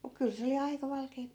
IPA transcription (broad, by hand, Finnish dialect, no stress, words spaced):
muk kyl se oli ɑikɑ ʋɑlkeːp